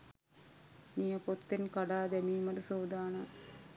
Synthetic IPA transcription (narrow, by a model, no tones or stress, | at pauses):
nijɐpot̪ːinkɐɽaːd̪ɐmiːmɐɾusoːd̪aːɳɐ